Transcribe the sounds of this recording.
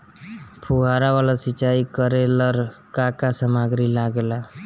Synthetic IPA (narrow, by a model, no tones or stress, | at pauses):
pʰuɦaɾaʋalasit͡ʃaikəɾeləɾkakasəmaɡɾilaɡela